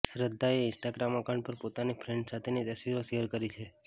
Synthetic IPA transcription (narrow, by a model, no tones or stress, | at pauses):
sɾəd̪ʱːaeɪ̃nsʈaɡɾamakʰaɳɖpəɾpot̪anifʰɾɛ̃ɳɖsat̪ʰenit̪əsʋiɾoʃeɦəɾkəɾit͡ʃʰe